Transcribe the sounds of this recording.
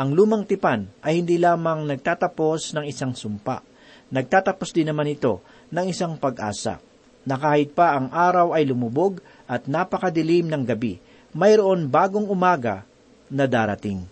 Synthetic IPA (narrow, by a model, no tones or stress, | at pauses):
ʔɐŋluːmɐŋt̪ɪpanʔɐjhɪnd̪iːlaːmɐŋnɐɡ̚t̪aːt̪ɐpo̞snɐŋɪsaŋsʊmpa̰ʔ | nɐɡ̚t̪aːt̪ɐpo̞sd̪ɪnːɐmanɪt̪o̞ | nɐŋɪsaŋpɐɡʔa̰ːsɐ̰ | nɐkaːhɪt̪̚pɐʔɐŋʔaːɾɐwɐjlʊmʊbo̞ɡ | ʔɐt̪̚napɐkɐd̪ɪlimnɐŋɡɐbi | mɐjɾoʔo̞nbaːɡo̞ŋʊmaːɡɐ̰ | nɐd̪aːɾɐt̪ɪŋ